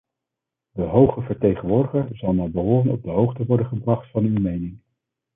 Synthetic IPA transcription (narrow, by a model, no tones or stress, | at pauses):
dəɦowχəvəɹtejχənʋʊːɹdəχəɹzɑlˠnaːbəɦʊːrənɔ̰b̚dəɦowχtəʋɔɹdəχəbrɑχtfɑnywmejnɪŋ